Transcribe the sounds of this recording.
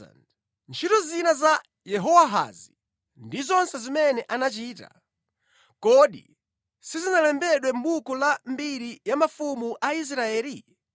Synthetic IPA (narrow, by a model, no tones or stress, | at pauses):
n | nt͡ʃʰitɔzinaza | jɛɦɔwaɦa̰zi | ndizɔnsɛzimɛnɛʔanat͡ʃiːta̰ | kɔɗḭ | sizinalɛmbɛɗwɛm̩ɓukɔlambiɾijamafumuʔais̬ɾaɛːli